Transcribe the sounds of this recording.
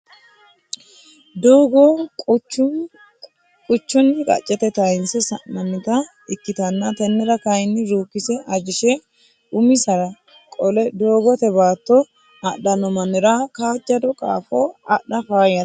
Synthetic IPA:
d̪oːɡo | kʼʊt͡ʃːʊnːɪkʼɐ̰t͡ʃʼːɛt̪ɛt̪ɐjɪnsɛsɐnːɐnːɪt̪ɐ | ɪkːɪt̪ɐnːɐt̪ɛnːɛɾɐkɐjnːɪɾuːkːɪsɛʔɐd͡ʒɪʃɛ | ʊmɪsɐɾɐ | kʼɔlɛd̪oːɡɔt̪ɛbaːt̪ːɔ | ɐɗɐnɔmɐnɛɾɐkaːd͡ʒːɐd̪ɔkʼa̰ːfoɐɗɐfaːjɐ

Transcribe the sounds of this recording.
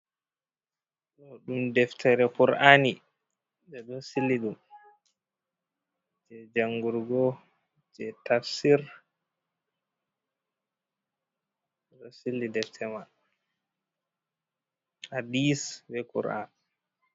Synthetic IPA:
ɗɔɗumdɛftʰɛɾɛkuɾʔani | d͡ʒɛɗunsilːiɗum | d͡ʒɛd͡ʒaŋɡuɾɡɔ | d͡ʒɛtafsiɾ | ɛɗɔsilːidɛftʰɛma | hadisbɛkṵɾʔa̰n

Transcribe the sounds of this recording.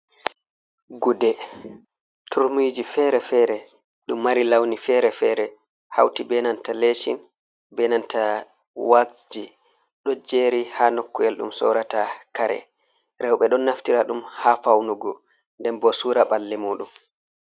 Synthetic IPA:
ɡudɛ | tʰuɾmid͡ʒifɛːɾɛfɛːɾɛ | ɗumːaɾilawnifɛːɾɛfɛːɾɛ | ha̰wtibɛnantaleʃḭn | bɛnanta | waksd͡ʒi | ɗɔd͡ʒeːɾihanɔkːɔɛlɗṵmsɔ̰ːɾatakaɾɛ̰ | ɾɛwɓɛɗɔnːaftiɾaɗumhafawnuɡɔ | ndɛnbɔsuːɾaɓalːɛmuːɗum

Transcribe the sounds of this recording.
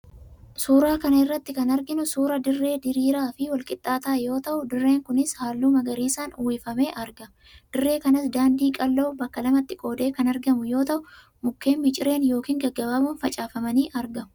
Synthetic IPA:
suːɾaːkɐnɐɪrːɐt̪ːɪkɐnɐɾɡɪnʊsuːɾɐd̪ɪrːe̞ːd̪ɪɾiːɾaːfɪwɐlkʼɪt̪ʼːaːt̪aːjo̞ːt̪ɐʔʊd̪ɪrːe̞ːŋkʊnɪshaːlːuːmɐɡɐɾiːsaːnʊːwɪfɐme̞ːʔɐɾɡɐ | d̪̥ɪrːe̞ːkɐnɐsd̪aːnd̪iːkʼɐlːo̞ːbɐkːɐlɐmɐt̪ːɪkʼo̞ːd̪e̞ːkɐnɐɾɡɐmʊjo̞ːt̪ɐʔʊ | mʊkːe̞ːmːɪt͡ʃʼɪɾe̞ːnjo̞ːkiːŋɡɐɡːɐbaːbuːnfɐt͡ʃʼaːfɐmɐniːʔɐɾɡɐmʊ̥

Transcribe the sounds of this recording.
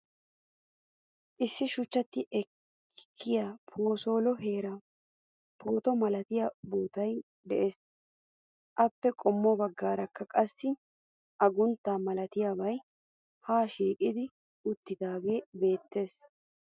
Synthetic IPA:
ʔɪsːɪʃʊt͡ʃːɐt̪ːɪʔɛkʰː | ɪjaːpʰo̞ːso̞ːlɔɦe̞ːɾɐ | pʰo̞ːt̪ɔmɐlɐt̪ɪjabuːt̪ɐj | d̪ɛ̰ʔe̞ːs | ʔɐpːɛkʼɔmːɔbɐɡːaːɾɐkːɐkʼɐsːɪ | ʔɐɡʊnt̪ːaːmɐlɐt̪ɪjaːbɐj | haːʃiːkʼɪd̪ɪ | ʊt̪ːɪd̪aːɡe̞ːbe̞ːt̪ːe̞ːs

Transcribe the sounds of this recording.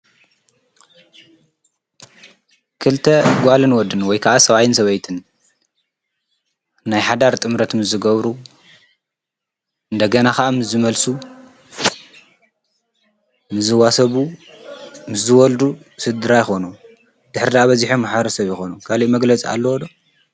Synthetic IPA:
kʰɨlt̪ʰɐɡʷalɨnwɔd̪ːɨnwɔjkʰaʔasɐβajɪnsɐβɐjt̪ʰɨn | najħad̪aɾt̪ʼɨmɾɐt̪mɨzːɨɡɐβɾu | ɨnd̪ɐɡɐnaxaʔamɨsːɨmɐlsu | mɨzɨwasɐβu | mɨsɨwɔld̪u | sɨd̪ɨɾajɪxo̞nu | d̪̥ɨħɾid̪aʔaβɐziħomaħβɐɾɐsɐβjɪxo̞nukʰaliʔmɐɡlɐt͡sʼia̰lːɐwɔd̪o

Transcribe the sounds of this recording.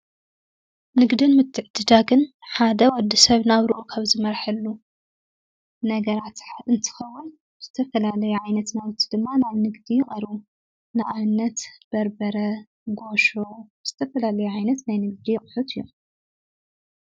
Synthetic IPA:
nɨɡd̪ɨnmɨt̪ʰːɨʕd̪̥ɨd̪aɡɨnħad̪ɐwɔd̪ːisɐβnaβɾʔukʰaβzɨmɐɾħɐlːu | nɐɡɐɾat̪ħɨnt̪ʰɨ̥xɐwʊn | z̥ɨt̪ʰɐfɐlalɐjuʕajnɐt̪nawt̪ʰi̥d̪ɨmːanajnɨɡd̪ijɪχʼɐɾu | naʔʼaβnːɐt̪b̥ɐɾbɐɾɐ | ɡo̞ʃoz̥ɨ̥t̪ʰɐfɐlalɐjuʕajnɐt̪najnɨɡd̪ijɪχʼħut̪ɨjːom

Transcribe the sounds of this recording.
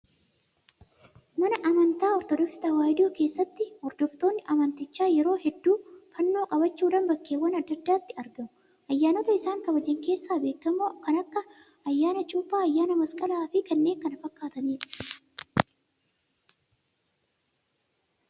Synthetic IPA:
mɐnɐʔɐmɐnt̪aːɔɾt̪ɔd̪ɔksɪ̥t̪awaːjɪd̪ɪoːke̞ːsːɐt̪ːɪhɔɾd̪ɔft̪o̞ːnːɪʔɐmɐnt̪ɪt͡ʃːaːjɛɾo̞ːhɛd̪ːuːfɐnːo̞ːkʼɐbɐt͡ʃːuːᶑɐnbɐkːe̞ːwːɐnɐd̪ːɐd̪ːaːt̪ːɪɐɾɡɐmʊ̥ | ʔɐjːaːnɔt̪ɐɪsaːŋkɐbɐd͡ʒɪŋke̞ːsːaːbe̞ːkːɐmːoːkɐnɐkːɐ | ɐjːaːnɐt͡ʃʼuːpːaːɐjːaːnɐmɐskʼɐlaːfɪkɐnːe̞ːŋkɐnɐfɐkːaːt̪ɐneːᶑɐ̥

